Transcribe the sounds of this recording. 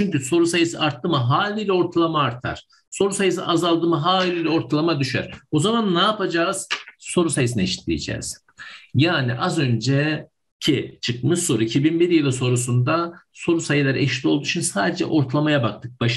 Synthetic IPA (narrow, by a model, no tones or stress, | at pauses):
t͡ʃʰyɲcyso̞ɾusajɯsɯ̰ʔaɾt̪ːɯmɯɦaːlʲiːlʲɛo̞ɾt̪ʰalˠamaːɾt̪ʰa̰ɾ̥ | so̞ɾusajɯsɯ̰ʔazalˠd̪ɯmɯɦaːllʲilʲɛo̞ɾt̪ʰalˠamad̪yʃæ̰ɾ̥o̞zamanːaːpad͡ʒaːz̥so̞ɾusajɯs̬ineʃi̥t̪ʰlʲḭḭd͡ʒɛ̰ːz̥ | jaːniʔazø̞nd͡ʒɛ | cʰit͡ʃʰɯk̚mɯʃso̞ɾuicʰibinbiɾjilˠɯso̞ɾusund̪aso̞ɾusajɯlˠaɾʔɛ̰ʃlʲio̞lˠd̪ut͡ʃʰinsaːd̪ed͡ʒɛ̰ʔo̞ɾt̪ʰalˠamajabakt̪ʰɯk̚baʃ